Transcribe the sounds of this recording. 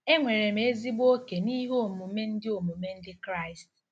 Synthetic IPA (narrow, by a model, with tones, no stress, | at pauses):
e˦ŋʷe˨ɾe˨m̩˦e˦zi˦ɡ͡bo˦ke˨ni˦ɦo˦˨mu˨me˦n̩˦dɪ˦o˨mu˨me˦n̩˦dɪ˦kɾa˦ɪ˨st